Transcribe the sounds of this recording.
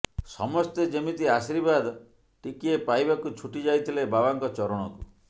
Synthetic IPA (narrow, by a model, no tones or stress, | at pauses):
sɔ̰mɔst̪ed͡ʒemit̪iasiɾibad̪ | ʈikiepajbakut͡ʃʰuʈid͡ʒajt̪ʰilebabaŋkɔt͡ʃɔɾɔɽ̃ɔku